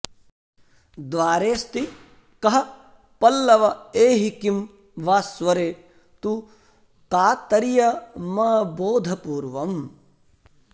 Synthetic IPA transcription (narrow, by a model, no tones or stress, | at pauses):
d̪ʋaːɾeːst̪i | kɐɦɐ | pɐlːɐʋɐeːɦikim | ʋaːsʋɐɾeː | t̪u | k̪aːt̪ɐɾijɐmɐboːd̪ʱɐpuːɾʋɐm